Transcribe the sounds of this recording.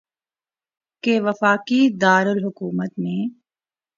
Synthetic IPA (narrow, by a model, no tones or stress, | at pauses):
keʋɐfaːkid̪aːɾʊlɦʊkuːmət̪mẽː